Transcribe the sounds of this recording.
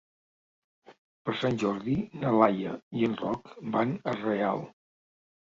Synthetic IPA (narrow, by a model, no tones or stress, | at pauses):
pəɾsanʲʒɔɾðinəlajəiənrɔkbanərea̰lˠ